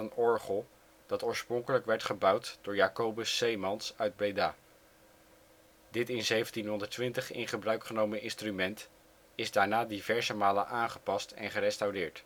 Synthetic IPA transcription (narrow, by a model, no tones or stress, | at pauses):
ənɔɹχəlˠ | d̥ɑtoːɹsprɔŋkələkʋɛɹtχəbʌwtd̥ʊːɹjaːkowbəsejmɑnsœɥd̚bejdaː | dɪtɪnzejvəntinɦɔndəɹtʋɪntəχɪ̰nχəbrœɥkχənowmənʔɪnstrymɛnt | ɪzdaːɹnaːdivɛɹzəmaːlə̰nʔaːnχə̥pɑstɛ̰nχərɛstawdɪːɹt